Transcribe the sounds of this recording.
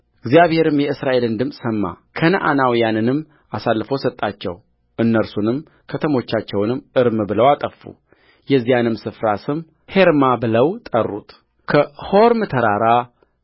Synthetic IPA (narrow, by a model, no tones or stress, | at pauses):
ʔɨɡzijaβhe̞ɾɨmjɛɨsɾaʔe̞lɨnd̪ɨmsʼsəmːa̰kʰənəʔa̰nawijanɨnɨmː | ʔasalːfosət̪ʼːat͡ʃːɛ̰w | ʔɨnːəɾsunɨm | kʰət̪ʰəmo̞t͡ʃːat͡ʃːɛwnɨmʔɨɾmɨbɨləwat̪ʼəfːṵ | jɛzːijanɨmsɨfɾasɨm | he̞ɾmabɨləwt̪ʼərːut̪ | kʰəho̞ɾmɨt̪ʰəɾaɾa